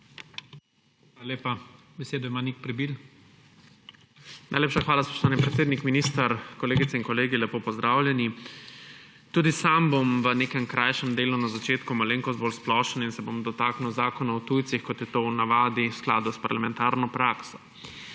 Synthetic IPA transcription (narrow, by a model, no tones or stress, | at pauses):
aalalʲeːpa | bɛseːd̪ɔjmanik̚pɾɛbil | na̰jleːpʃaxʋaːlaspɔ̥ʃt̪ʋaːnipɾɛt̪seːd̪nikminist̪əɾkɔleːɡit̪sɛiŋkɔleːɡilɛpoːpɔzd̪ɾaːwlʲjɛni | t̪uːd̪isambomʋəneːkɛmkɾʔajʃɛmd̪eːlunazat͡ʃeːt̪kumɔleːŋkɔzbolsplɔːʃəninsɛbomd̪ɔt̪aːkniwzaːkɔnɔwt̪ujt̪sixkɔt̪jɛt̪ownaʋaːd̪iskla̰ːd̪uspaɾlamɛnt̪aːɾnɔpɾaːksɔ̥